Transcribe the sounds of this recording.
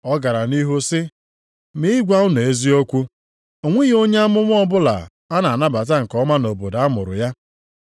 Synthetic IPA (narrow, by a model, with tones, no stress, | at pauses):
ɔ˦ɡa˨ɾa˨ni˦ɦu˦sɪ˦ | mi˦ɡʷa˦ʊ˦ne˨e˦zi˦o˦kʷu˦ | o˨ŋʷe˦ɣo˦ɲe˦a˦mʊ˦mʷʊ˦ɔ˦bʊ˦la̰˨ | a˦na˨a˨na˦ba˨t̬a˦ŋ̩˨kɔ˦ma˦no˨bo˨da˨a˦mʊ̰˨ɾʊ̰˨ja˦